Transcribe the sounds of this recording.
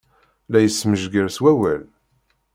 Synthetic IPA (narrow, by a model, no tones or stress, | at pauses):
læjəsːməʒɡəɾswæwæl